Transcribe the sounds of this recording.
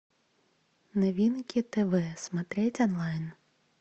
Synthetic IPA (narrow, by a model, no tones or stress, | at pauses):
navʲinkʲit̪ɛvɛsmat̪ɾɛt͡sʲɔnlˠajn